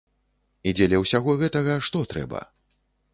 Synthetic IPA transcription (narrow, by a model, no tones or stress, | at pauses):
id͡zʲɛlʲɐwsʲaɣɔɣɛt̪ɐɣɐʂt̪ɔt̪ɾɛ̰bɐ̰